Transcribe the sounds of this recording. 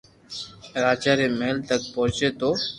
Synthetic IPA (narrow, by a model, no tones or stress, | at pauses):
ɾaːd͡ʒaːɾeːmeɦəlt̪ək̚pɔːt͡ʃeːt̪oː